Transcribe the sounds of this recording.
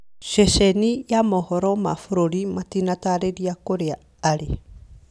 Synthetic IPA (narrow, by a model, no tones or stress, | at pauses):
ʃeʃenijamohɔɾɔma̰fuɾoɾimatinataɾeɾiakoɾeaː | ɾe